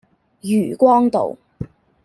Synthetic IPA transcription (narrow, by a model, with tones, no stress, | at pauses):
jyː˨˩kʷɔː˥ŋt̪o̰˨w